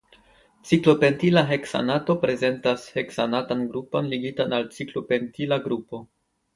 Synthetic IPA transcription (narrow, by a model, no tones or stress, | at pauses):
t͡siklo̞pe̞ntilaɦe̞ksa̰nato̞pɾe̞ze̞ntashe̞ksanatanɡɾupo̞nliɡitanalt͡siklo̞pe̞ntilaɡɾupo̞